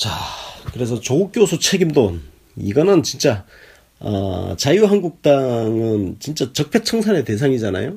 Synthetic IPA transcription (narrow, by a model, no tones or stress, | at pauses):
t͡ɕakɯɾe̞sʰʌt͡ɕouk͈josʰut͡ɕʰe̞ɡimdon | ḭɡʌnɯnt͡ɕint͡ɕ͈a | ʌ̰t͡ɕajuɦanɡuk̚t͈aŋɯnt͡ɕint͡ɕ͈at͡ɕʌk̚pʰjet͡ɕʰʌŋsʰane̞te̞sʰaŋid͡ʑana̰jo